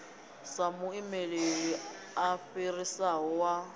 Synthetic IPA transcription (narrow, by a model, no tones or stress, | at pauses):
samʊimelei | aɸirisaɦɔwa